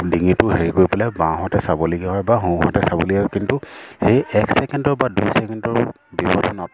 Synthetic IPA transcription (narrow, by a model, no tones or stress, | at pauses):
diŋitʊɦeɹikojpɛlɛbãɦɔtɛsabɔleɡɛɦɔjbaɦũɦɔ̰tɛsabɔ̰leɡɛɦɔjkintuhejɛksɛkɛndɔɹbadujsɛkɛndɔɹ | bibɔdʰʱɔnɔt